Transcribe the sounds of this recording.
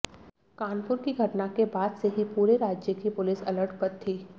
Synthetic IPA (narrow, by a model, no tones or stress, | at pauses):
kaːnpʊɾkiɡʱɐʈnakebaːd̪seɦipuːɾeɾaːd͡ʒjəkipʊlɪsɐləɾʈʰpɐɾt̪ʰːiː